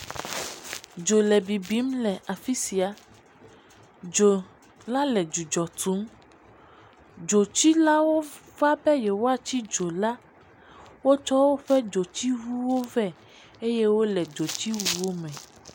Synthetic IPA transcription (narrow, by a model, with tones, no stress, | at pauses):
d͡ʒo˨lɛ˨bi˨bi˨˦mlɛ˨ʔa˨fi˦si˨a˨ | d͡ʒo˨ | la˦lɛ˨d͡ʒu˨d͡ʒɔ˨t̪u˨˦m | d͡ʒo˨t͡ɕi˦la˦wo˦va˦bɛ˦jɛ˨wo˦a˨t͡ɕi˦d͡ʒo˨la˦ | wo˦t͡ʃɔ˦wo˦ɸɛ˦d͡ʒo˨t͡ɕi˦ɦu˦wo˦vɛ˦ | e˦je˦wo˦lɛ˨d͡ʒo˨t͡ɕi˦wu˦wo˦mɛ̃˨